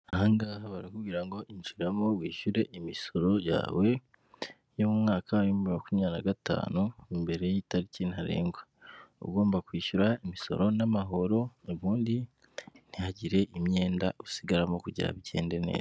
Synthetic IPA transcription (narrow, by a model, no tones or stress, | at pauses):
ahaŋɡaːhaβaɾikubɡiːɾaŋɡo̞ʔiɲt͡ʃiɾamo̞wiːʃuɾe̞ʔimiso̞ɾo̞ja̰ːwe̞ | jomumŋaːkʰaɾimuimakumɲanaɡata̰ːnumbe̞ɾe̞jitaɾicinhaɾe̞̰ːŋɡwa | ṵɡo̞ːmbakwiːʃuɾaimiso̞̰ɾo̞namaɦo̞ɾo̞oβuːndi | n̥ihaɟiɾe̞ʔimɲe̞ːnda̰usiɡaɾamo̞kuɟḭɾa̰βiɟe̞̰ːnde̞nḛːza